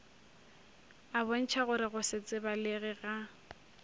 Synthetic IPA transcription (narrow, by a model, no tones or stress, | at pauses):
abon̩t͡ʃʰaɣʊɾɪɣʊsɪt͡sʼɪbaleɣɪɣa